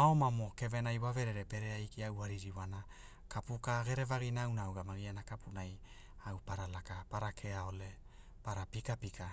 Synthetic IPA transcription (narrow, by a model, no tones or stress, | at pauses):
aomamoke̞venajwaveɾeɾepe̞ɾeajkiawhaɾiɾiwana | kapukaɡe̞ɾe̞vaɡinaːwnawɡamaɡianakapʰunaj | awpaɾalakapaɾakʰeaole̞ | paɾapikapikʰa